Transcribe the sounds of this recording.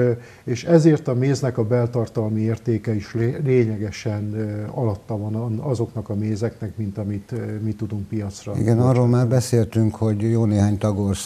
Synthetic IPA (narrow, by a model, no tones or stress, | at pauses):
eːʃɛzeːrt̪ɒmeːznɛkɒbɛlt̪ɒrt̪ɒlmieːrt̪eːkɛiʃlleːɲɛɡɛʃɛnɒlɒt̪ːɒvɒnnɒzo̞knɒkɒmeːzɛknɛkmint̪ɒmit̪mit̪ud̪uŋk̚pijɒt̪srɒḭɡɛnɒroːlmaːrbɛseːlt̪yŋkho̞ɟjoːneːɦaːɲt̪ɒɡors